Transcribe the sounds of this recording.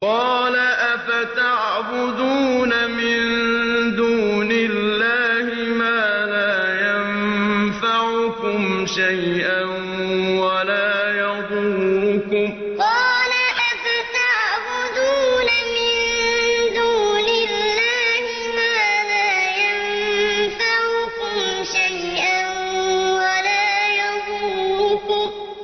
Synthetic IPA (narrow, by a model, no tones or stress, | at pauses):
qɑːlaʔafat̪aʕbʊd̪uːnamɪnd̪uːnɪlːaːhɪmaːlaːjanfaʕʊkʊmʃajʔan | walaːjɑd̪ˤuːʊkʊm | qɑːlaʔafat̪aʕbʊd̪uːnamɪnd̪uːnɪlːaːhɪmaːlaːjan | faʕʊkʊmʃajʔanwalaːjɑd̪ulʊkʊm